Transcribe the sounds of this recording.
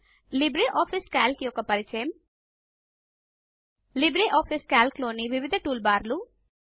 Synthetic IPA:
libɾiʔoːpʰiskaːlkjɔkːɐpɐɾit͡ʃɐjɐm | libɾiʔaːpʰiskaːlklo̞ːniʋiʋid̪ʱɐʈuːlbaːɾlu

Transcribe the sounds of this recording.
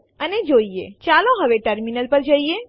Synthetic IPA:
əned͡ʒoiḛt͡ʃalõɦəʋeʈəɾminəlpəɾd͡ʒəie

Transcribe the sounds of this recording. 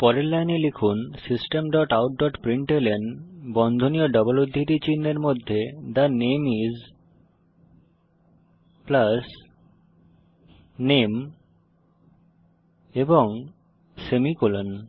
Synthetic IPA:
pɔɾelːajnelekʰunsisʈemɖɔʈawʈ̚ɖɔʈpɾiɳʈelenbɔnd̪ʱonioɖɔbolod̪ʱːit̪it͡ɕinːeɾmod̪ʱːed̪anemiz | plas | nem | eboŋ | semikulon

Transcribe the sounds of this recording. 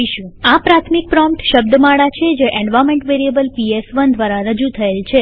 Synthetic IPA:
iʃũapɾat̪ʰmik̚pɾɔmpʈʃəbd̪əmaɭat͡ʃʰed͡ʒeʔẽɳɖʋameɳʈʋeɾiəbəlpiesʋənd̪ʱʋaɾaɾəd͡ʒut̪ʰəelt͡ʃʰe

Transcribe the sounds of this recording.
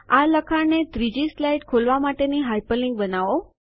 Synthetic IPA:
aləkʰaɽnet̪ɾid͡ʒislajʈkʰolʋamaʈeniɦajpəlɪŋɡbənaʋo

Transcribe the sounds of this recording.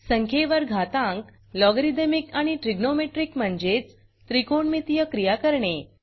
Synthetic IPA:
səŋkʰeʋəɾɡʱat̪ãŋk | lɔɡɾid̪emikaɽ̃iʈɾiɡnomeʈɾikm̤əɳd͡zet͡s | t̪ɾikoɳmit̪ijəkɾijakəɾɳe

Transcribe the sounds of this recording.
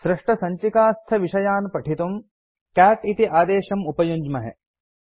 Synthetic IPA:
sɾɪʂʈɐsɐɲt͡ʃikaːst̪ʰɐʋiʃɐjaːnpɐʈʰit̪um | kæːʈit̪iʔaːd̪eːʃɐmupɐjuɲd͡ʒmɐɦḛ

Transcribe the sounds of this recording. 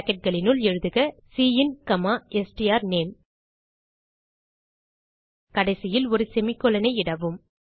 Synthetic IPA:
kːɛʈ̚ɡɐɭɪnɯlɛɻɯðɯɣɐsiːɪnkɐmaːʔɛsʈijaːɾneːm | kɐɽɐɪsɪjɪlɔɾɯsɛmɪkːɔlɐnɐɪɪɽɐʋɯm

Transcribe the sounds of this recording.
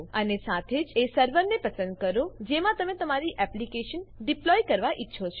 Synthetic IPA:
ənesat̪ʰed͡ʒesəɾʋəɾnepəsə̃nd̪̚kəɾod͡ʒemãt̪əmet̪əmaɾiʔɛplikeʃənɖiplɔjkəɾʋaʔitːʃʰot͡ʃʰ

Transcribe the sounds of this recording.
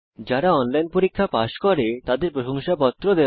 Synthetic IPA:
d͡ʑaɾaɔnlajnpoɾikʰːapaʃkɔɾet̪ad̪eɾpɾoʃoŋʃapɔt̪ːɾod̪e

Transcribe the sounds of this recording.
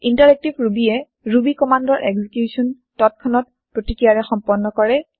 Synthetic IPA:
intaɹɛk̚tibʱɹubiɛ | ɹubikɔmandɔɹʔɛɡzikjusʰɔn | tɔt̚kʰɔnɔt̚ | pɹotikɹijaɹɛxɔmpɔnːɔkɔɹɛ

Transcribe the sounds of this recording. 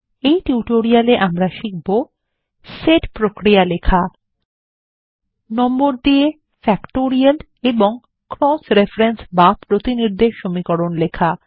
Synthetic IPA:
ejʈiuʈoɾialeʔamɾaʃik̚bo | seɖpɾokɾijalekʰa | nɔmboɾd̪ie | fɛkʈoɾial | eboŋ | kɾɔsɾefɾensbapɾot̪iniɾd̪eʃːomikɔɾonlekʰa

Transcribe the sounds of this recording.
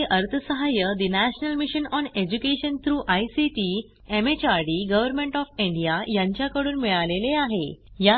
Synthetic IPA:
eʔəɾt̪ʰəsəɦajəd̪inæɕnəlmiɕənɔned͡ʑukeɕənt̪ʰɾuːʔajsiʈi | emet͡ɕaɾɖiɡəʋəɾmẽɳʈɔfĩɳɖijajãɲt͡ɕjakəɽuːnmiɭaleleaɦeja

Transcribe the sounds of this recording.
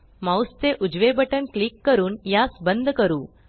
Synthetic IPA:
mawst̪eʔud͡ʑʋebəʈənklikːəɾuːnjasbənd̪ʱkəɾuː

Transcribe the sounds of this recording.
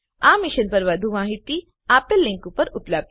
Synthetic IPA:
amiʃənpəɾʋɐd̪ʱumaːɦit̪i | apelːĩŋkupəɾupləb̚d̪

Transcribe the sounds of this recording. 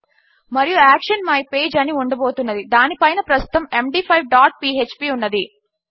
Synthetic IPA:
mɐɾijuaːkʂɐnmɐjpeːd͡ʒɐniuɳɖɐboːt̪unːɐd̪id̪aːnipɐjnɐpɾɐst̪u̥t̪ɐme̞mɖiːpʰɐjʋɖaːʈ̚piːet͡ʃpiːunːɐd̪i

